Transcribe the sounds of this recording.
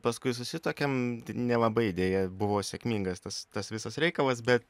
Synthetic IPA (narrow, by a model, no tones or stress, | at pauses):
pɐskʊɪsʊsʲɪt̪oːkʲɛmnʲɛlˠɐbɐɪɪd̪ʲeːjɛbʊʋoːsʲɛkmʲiːŋɡɐst̪ɐst̪ɐsʋʲɪsɐsɾʲɛɪkɐlˠɐs̬bʲɛt̪